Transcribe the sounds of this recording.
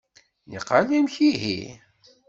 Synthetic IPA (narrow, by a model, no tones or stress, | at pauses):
nḭqalimçiɦḭ